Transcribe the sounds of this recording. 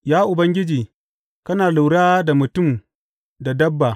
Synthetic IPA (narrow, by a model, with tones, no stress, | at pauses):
jaː˦ʔʊ˨bɐ˦ŋɡʲɪ˦d͡ʒiː˨ | kɐ˦naː˨lʊ˨wɽaː˦da˨mʊ˨tʊ˦˨m | da˨dɐ˦bːa˨